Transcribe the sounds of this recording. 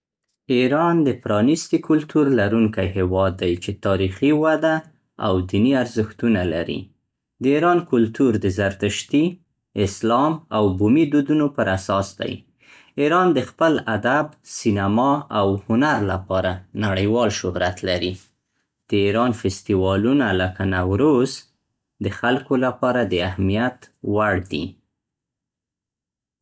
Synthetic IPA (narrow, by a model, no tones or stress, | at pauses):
iɾɑnd̪əpɾɑnist̪ikʰʊlt̪uɾlaɾuŋkajɦɪwɑd̪ːajt͡ʃet̪ɑɾixiwad̪a | a̰wd̪iniaɾzəxt̪unalaɾḭ | d̪əiɾɑnkʊlt̪uɾd̪əzaɾt̪əʃt̪i | ɪslɑmawbumid̪ud̪unopəɾasɑsd̪a̰j | iɾɑnd̪əxpəlad̪absinamɑawhʊnaɾlapɑɾanaɽəjwɑlʃʊhɾat̪laɾi | d̪̥əiɾɑnfɪst̪iwɑlunaləkanawɾoz | d̪əxalkolapɑɾad̪əahmijat̪waɽd̪ḭ